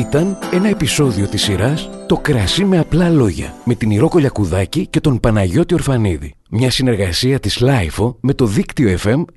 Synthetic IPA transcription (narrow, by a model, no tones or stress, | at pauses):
it̪ɐne̞nɐe̞piso̞ðio̞t̪isːiɾɐst̪o̞kɾɐsime̞ɐplɐlo̞ʝɐ̰me̞t̪iniɾo̞ko̞ʎɐkuðɐcice̞t̪o̞npɐnɐʝo̞t̪io̞ɾfɐniðḭ | mɲɐsine̞ɾɣɐsiɐt̪izlɐifo̞me̞t̪o̞ðikt̪io̞efe̞m